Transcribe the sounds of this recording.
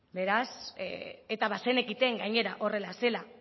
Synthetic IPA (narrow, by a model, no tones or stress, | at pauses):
be̞ɾas | et̪aβase̞ne̞kit̪e̞ŋɡajɲe̞ɾaʔo̞re̞lase̞la